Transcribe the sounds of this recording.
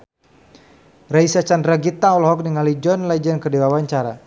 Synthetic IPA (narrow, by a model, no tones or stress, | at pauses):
raisat͡ʃandɾaɡit̪aɔlɦɔk̚niŋalid͡ʒɔnlɛd͡ʒɛnkədiwawaɲt͡ʃaɾa